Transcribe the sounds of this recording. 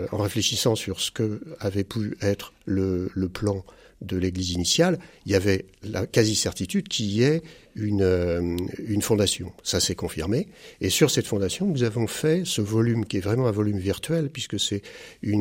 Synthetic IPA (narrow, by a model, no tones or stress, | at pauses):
ɑ̰̃ʁefleʃisɑ̃syʁsə̥kəavɛpʰyɛt̪χlələplɑ̃ | d̪əleɡlizinisjaliljavɛla̰kazisɛʁt̪it̪yd̪kʲiɛynø | ynfɔ̃d̪asjɔ̰̃sasɛkɔ̃fḭʁmeːsyʁsɛt̪fɔ̃d̪asjɔ̃nuzavɔ̃fɛsəvɔlymkʲiɛvʁɛmɑ̃ɛ̃vɔlymviʁt̪ɥɛlpɥiskəsɛyn